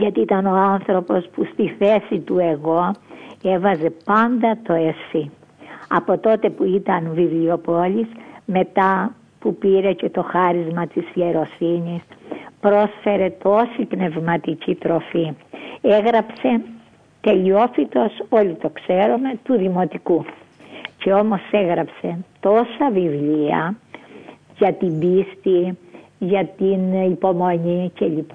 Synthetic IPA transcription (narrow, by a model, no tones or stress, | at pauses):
ʝɐt̪iit̪ɐno̞ɐnθɾo̞po̞spust̪iθe̞sit̪ue̞ɣo̞evɐze̞pɐnd̪ɐt̪o̞esi | ɐpo̞t̪o̞t̪e̞puit̪ɐnvivlio̞polisme̞t̪ɐ | pupiɾe̞ce̞t̪o̞xɐɾizmɐt̪isje̞ɾo̞sinispɾo̞sfe̞ɾe̞t̪o̞sipne̞vmɐt̪icit̪ɾo̞fieɣɾɐpse̞ | t̪e̞ʎio̞fit̪o̞so̞lit̪o̞kse̞ɾume̞t̪uðimo̞t̪iku | ce̞o̞mo̞se̞ɣɾɐpse̞t̪o̞sɐvivliɐ̰ | jɐt̪ibist̪i | ʝɐt̪inipo̞mo̞ɲice̞ʎip